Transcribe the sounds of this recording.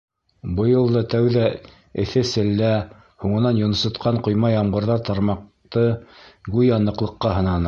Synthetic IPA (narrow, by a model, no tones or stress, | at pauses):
bɤ̆jɤlˠd̪ɑt̪æwðæ | ɘ̆θɘsɘ̆lːæ | huɴɤ̆nɑnjŏnɤ̆sŏt̪qɑɴqŏjmɑjɑmɢɤ̆ɾðɑɾt̪ɑɾmɑq̚t̪ɤɡʉjɑnɤ̆qlˠɤ̆qːɑɦɤ̆nɑnɤ